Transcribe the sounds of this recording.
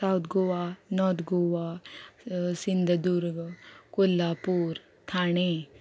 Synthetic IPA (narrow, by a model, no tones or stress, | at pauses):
sawt̪ɡoʋanɔːɾt̪ʰɡoʋa | sind̪ʱɐd̪uːɾɡkulːaːpuːɾ | t̪ʰaːɳe